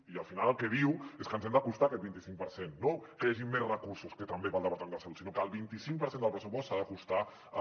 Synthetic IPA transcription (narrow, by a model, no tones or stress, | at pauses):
iəlˠfinaləlˠkɛβiweskənzɛmd̪əkust̪aːkɛt̪̚bint̪isiŋk̚pəɾsenːokəjaʒimːesrəkuɾsuskət̪əmbepalˠd̪əpaɾt̪aenəsalut̪sinokəːlˠβint̪isiŋpəɾsend̪əlˠpɾəs̬upɔstsaðəkust̪a